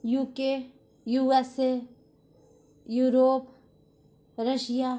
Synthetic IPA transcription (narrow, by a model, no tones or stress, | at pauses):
juːke | juːɛse | juːɾoːp | ɾəʃja